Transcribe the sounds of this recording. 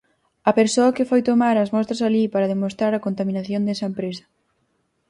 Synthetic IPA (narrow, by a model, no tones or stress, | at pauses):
ɐpeɾsoɐkɪfojt̪omaɾɐzmɔst̪ɾɐsalipaɾɐðemost̪ɾaɾɐkont̪amĩnaθjond̪ɛsɐempɾesɐ̥